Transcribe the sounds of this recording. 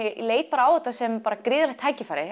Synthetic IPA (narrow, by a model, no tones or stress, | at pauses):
leːjt̪̚paːɾaaːwɛt̪ːasɛmpaːɾakɾɪːðalɛxt̪ʰaːjcɪfaːɾɪ